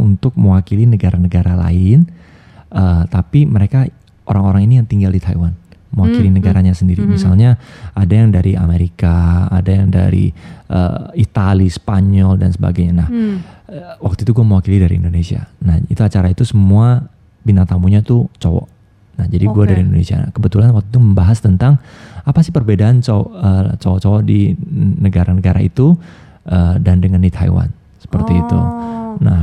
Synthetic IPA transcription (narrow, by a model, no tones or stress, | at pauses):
unt̪ʊk̚məwakilinəɡaɾanəɡaɾala̰ɪn | ʔət̪apiməɾeka | oɾaŋoɾaŋinijaŋt̪iŋɡaldit̪ʰajwanməwakilinəɡaɾaɲasəndiɾimisalɲaadajaŋdaɾia̰meɾikaa̰dajaŋda̰ɾḭʔə̰it̪alispaɲɔldansəba̰ɡajɲanahəwak̚t̪uit̪uɡuaməwakilidaɾḭḭndonesia̰nahit̪uat͡ʃaɾait̪usəmua | binat̪amuɲat̪ut͡ʃowɔ̰ʔ | nahd͡ʒadiɡuadaɾiindonḛsia̰na̰kəbət̪ulanwak̚t̪uit̪uməmbaɦast̪ənt̪aŋapasɪhpərbedaʔːnt͡ʃoət͡ʃowɔt͡ʃɔwɔʔdinəɡaɾanəɡaɾaḭt̪u | ʔədandəŋanːit̪ʰha̰jwa̰n | sə̥pərt̪iːt̪ṵnah